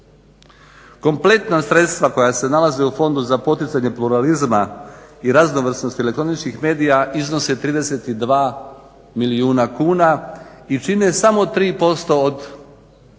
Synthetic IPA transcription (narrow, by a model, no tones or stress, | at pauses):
ko̞mple̞t̪nasɾe̞t̪st̪ʋako̞jase̞nalaze̞ufo̞nd̪uzapo̞t̪it̪saɲe̞pluɾalizmaiɾazno̞ʋr̩sno̞st̪elekt̪ɾo̞nit͡ʃnixmeːd̪ijaʔizno̞set̪ɾiːd̪ese̞t̪id̪ʋaː | miliuːnakuːnait͡ʃine̞samo̞t̪ɾiːpo̞st̪o̞ːd̪